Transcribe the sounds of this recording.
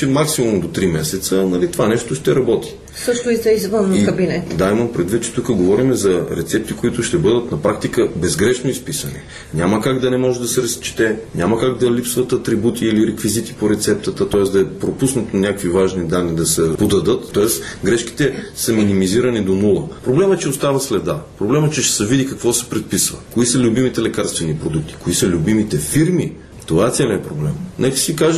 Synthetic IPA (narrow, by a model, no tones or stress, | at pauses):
t͡ʃɛmaksimomd̪ot̪ɾimɛsɛt̪sənɐlit̪o̥vanɛʃt̪oʃt̪ɛɾɐbɔt̪ʰi̥ | sɤʃt̪ʊit̪ɛizvənːikɐbinɛt̪d̪ajmənpɾɛd̪vit̪t͡ʃɛ̥t̪ukəɡovɔɾimɛzɐɾɛ̰t̪sɛp̚t̪ikoit̪ʊʃt̪ɛbɤd̪ət̪nɐpɾakt̪ikəbɛzɡɾɛʃnoispisənḭ | nʲamɐkaɡd̪ɐnɛmɔʒɛd̪ɐsɛɾɐst͡ʃi̥t̪ɛɲʲamɐkaɡ̚d̪ɐlipsvɐt̪ɐt̪ɾibut̪ʰiːliɾɛkvizit̪i̥poɾɛt̪sɛp̚t̪ət̪ət̪ɔɛsd̪ɐɛpɾopusnɐt̪onʲjakvivaʒnid̪anːid̪ɐsɛpod̪ɐd̪ɤt̪ːɔɛsɡɾɛʃki̥t̪ɛsɐminimiziɾɐnid̪onulˠəpɾoblɛmət͡ʃɛost̪avɐslɛd̪apɾoblɛmət͡ʃɛʃsəvid̪ikɐkvɔsɛ̥pɾɛt̪̚pisvə̰koisəlʲʊbimit̪ɛlɛkaɾst̪vɛnipɾod̪uk̚t̪i̥koisəlʲubimit̪ɛfiɾmi | t̪ovaɛt̪sɛliɛpɾoblɛ̰mnɛkə̥sikaʒ